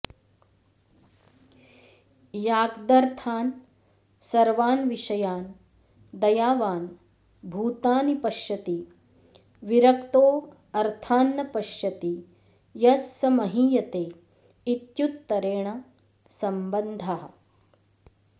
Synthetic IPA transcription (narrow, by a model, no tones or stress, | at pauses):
jaːɡd̪ɐɾt̪ʰaːn | sɐɾʋaːnʋiʃɐjaːn | d̪ɐjaːʋaːn | bʱuːt̪aːnipɐʃjɐt̪i | ʋiɾɐkt̪oː | ɐɾt̪ʰaːnːɐpɐʃjɐt̪i | jɐsːɐmɐɦiːjɐt̪eː | it̪jut̪ːɐɾeːɳɐ | sɐmbɐnd̪ʱɐɦɐ̆